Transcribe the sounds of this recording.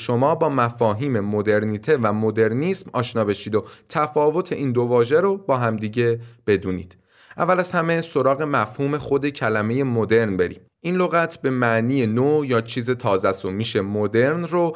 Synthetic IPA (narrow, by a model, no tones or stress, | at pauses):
ʃomɒːbɒːmæfɒːɦiːme̞mo̞d̪e̞ɾniːt̪ʰe̞væmod̪e̞ɾnismɒːʃnɒːbe̞ʃiːd̪ot̪ʰæfɒːvo̞t̪ʰe̞ʔiːnd̪o̞vɒːʒeɾobɒːɦæmd̪iːɟe̞b̥e̞d̪uːnḭːd̪̥ | ʔæ̰vːælæzhæme̞so̞ɾɒːɣe̞mæfhuːme̞xo̞d̪e̞cʰælæme̞je̞mod̪e̞ɾnbe̞ɾḭːm | inloɣæt̪ʰbe̞mæʔniːjenoːjɒːt͡ʃʰiːze̞t̪ʰɒːzæsomiːʃe̞mod̪e̞ɾnro